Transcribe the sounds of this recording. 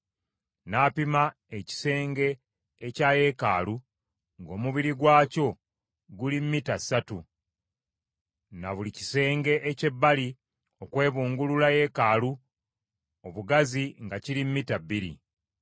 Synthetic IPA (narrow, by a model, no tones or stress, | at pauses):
naːpima | eci̥se̞ːŋɡe̞ː | caːje̞ka̰ːlu | ŋɡo̞ːmuβiɾiɡwaːco̞ | ɡulimːitasatu | na̰βulici̥se̞ːŋɡe̞ʔece̞bːali | okwe̞ːβuːŋɡululaje̞kaːlu | oβuɡaziŋɡaciɾimːitabːiɾḭ